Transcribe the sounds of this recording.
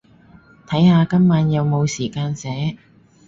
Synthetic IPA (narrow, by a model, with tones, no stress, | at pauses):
t̪ʰɐ˨˥jhaː˨˧kɐ˥mːaː˨˥njɐ˨˧wmo˨˧wsiː˨˩kaː˧nsɛː˨˥